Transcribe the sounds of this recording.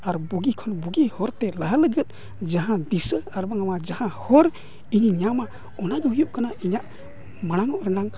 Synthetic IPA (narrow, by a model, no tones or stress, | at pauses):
aɾbuɡikʰɔnbuɡihɔɾt̪ɛləɦələɡət̪̚ | d͡ʒaɦãd̪isəaɾbaŋamad͡ʒahãhɔɾ | iɲiɲama | ɔnabɔɦujuʔ̚kanaiɲaʔ | maɽ̃aŋɔʔɾɛnaŋ